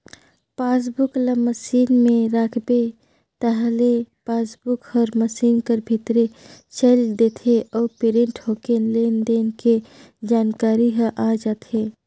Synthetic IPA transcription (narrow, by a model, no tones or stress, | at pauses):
paːs̬bʊkləməsiːnmẽɾaːkʰbe | t̪əɦlepaːsbʊkhɔɾməsiːnkəɾbʱɪt̪ɾet͡ʃeld̪eːt̪ʰeʔɔːɾpeɾẽɳʈɦoːkeleːnd̪eːnke | d͡ʒaːnkaːɾiɦəʔaːd͡ʒaːt̪ʰeː